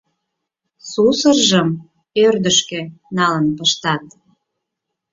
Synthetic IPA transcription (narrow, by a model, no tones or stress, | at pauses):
susərʒəm | ørd̪əʃkenɑlənpəʃt̪ɑt̪